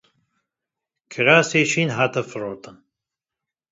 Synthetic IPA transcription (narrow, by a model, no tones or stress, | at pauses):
kʰɨɾaːseːʃiːnɦaːt̪ɐfɨɾoːt̪ɨn